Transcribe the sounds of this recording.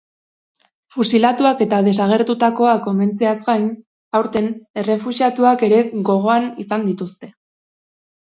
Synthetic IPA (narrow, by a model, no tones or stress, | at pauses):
fusilat̪uake̞t̪aðe̞saɣ̞e̞ɾt̪ut̪ako̞ako̞me̞nt͡seazɡajn | awɾt̪e̞ne̞re̞fuziat̪uake̞ɾe̞ɡo̞ɣ̞o̞anisand̪it̪ust̪e̞